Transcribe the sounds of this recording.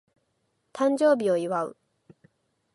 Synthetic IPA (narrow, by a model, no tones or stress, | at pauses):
t̪ãɲ̟d͡ʑo̞ːbʲio̞iβaɯ̟̰